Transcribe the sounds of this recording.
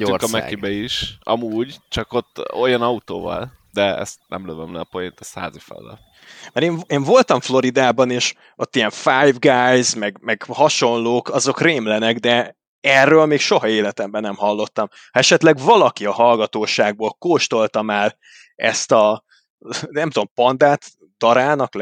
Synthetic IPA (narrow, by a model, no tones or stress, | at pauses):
ykɒmɛ̰kibɛiʃɒ̰muːɟt͡ʃɒkot̪ːojɒnɒut̪o̰ːvɒ̰l | d̪ɛɛ̰st̪̚nɛ̰mløvømlɛ̰ːpojint̪ɛsha̰ːzifɛ̰lːɛ̰l | mɛɾeːɱeːɱvo̞lt̪ɒɱflo̞ɾid̪aːbɒneːʃ | ot̪ːijɛɱfajvɡajzmɛɡmɛɡhɒʃo̞nloːkɒzo̞kreːmlɛnɛɡd̪ɛ | ɛrːøːlmeːkʃo̞ɦɒeːlɛt̪ɛmbɛnɛmhɒlːo̞t̪ːɒm | hɒɛʃɛt̪lɛɡvɒlɒkiɒɦɒlɡɒt̪oːʃaːɡ̚boːlkoːʃt̪o̞lt̪ɒmaːr | ɛ̰st̪ɒ | nɛmt̪uompɒnd̪aːt̪ | d̪̥ɒɾaːnɒkl